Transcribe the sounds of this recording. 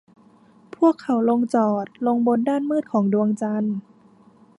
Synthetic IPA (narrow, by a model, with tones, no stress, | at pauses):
pʰu˥˩əkʰːa˩˦wlo˧ŋt͡ɕɔː˨˩t̪̚lo˧ŋbo˧ndaː˥˩nmɯː˥˩t̪̚kʰɔː˩˦ŋdu˧əŋt͡ɕa˧n